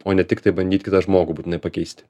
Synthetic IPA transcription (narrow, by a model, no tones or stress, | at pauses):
oːnʲɛt̪ʲɪkt̪ɐɪbɐnd̪ʲiːt̪ʲkʲɪt̪ɐʒmoːɡʊbuːtʲɪnɐɪpɐkʲɛɪsʲt̪ʲ